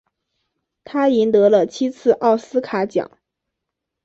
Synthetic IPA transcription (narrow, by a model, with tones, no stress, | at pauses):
t̪ʰa˥i˧˥nt̪ɤ˧˥lə˧t͡ɕʰi˥t͡sʰɹ̩˥˧ʔɑ˥˩ʊsɹ̩˥kʰa˧˥t͡ɕjɑ̰˨˩˦ŋ